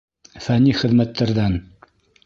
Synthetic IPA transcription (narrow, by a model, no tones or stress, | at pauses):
fæniχɘ̆ðmæt̪ːæɾðæn